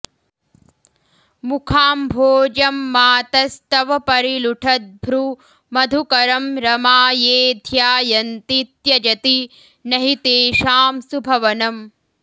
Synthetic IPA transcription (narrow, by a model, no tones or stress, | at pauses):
mukʰaːmbʱoːd͡ʒɐmːaːt̪ɐst̪ɐʋɐpɐɾiluʈʰɐt̪̚bʱɾu | mɐd̪ʱukɐɾɐmɾɐmaːjeːd̪ʱjaːjɐnt̪it̪jɐd͡ʒɐt̪i | nɐɦit̪eːʃaːmsubʱɐʋɐnɐm